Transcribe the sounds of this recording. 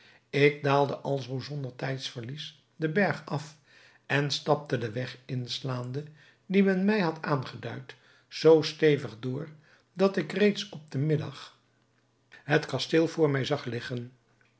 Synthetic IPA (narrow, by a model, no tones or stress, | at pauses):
ɪɡ̚daːlˠdəʔɑlˠzowzɔndəɹtɛjtsfəɹlis | dəbɛɹχɑf | ɛnstɑp̚tədəʋɛχɪnslaːndə | dimɛnmɛjɦɑtʰaːnχədœɥt | z̥owstejvəχdʊːɹ | dɑtɪkrejtsɔb̚dəmɪdɑ̰χ | ɦətkɑstɪːlˠvʊːɹmɛjzɑχlɪχən